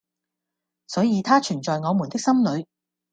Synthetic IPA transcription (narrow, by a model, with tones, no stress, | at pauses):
sɔː˨˥jiː˧t̪ʰaː˥t͡ʃʰyː˨˩nt͡ʃɔː˨jŋɔː˨˧mu˨˩nt̪ɪ˥k̚sɐ˥mlɵ˨˧ɥ